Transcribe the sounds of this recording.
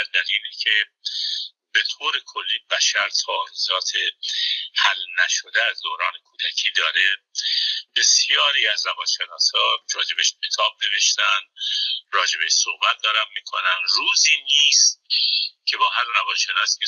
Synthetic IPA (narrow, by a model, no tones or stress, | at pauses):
æɾd̪æliːlicʰe | b̥e̞t̪ʰoːɾe̞kʰolːiːbæʃæɾt̪ʰɒːɾizɒːt̪ʰe̞hælnæʃod̪eæzd̪oːɾɒːnekʰuːd̪æcʰiːd̪ɒːɾe | b̥e̞sjɒːɾiːæzlæbɒːnʃe̞nɒːshɒːd͡ʒɒːd͡ʒebeʃkʰet̪ʰɒːb̚ne̞ve̞ʃt̪ænd̪rɒːd͡ʒe̞beʃsohbæt̪̚d̪ɒːɾæmmiːkʰo̰nænruːziːniːst̪̚cʰe̞bɒːɦællæbɒːnʃenɒːsike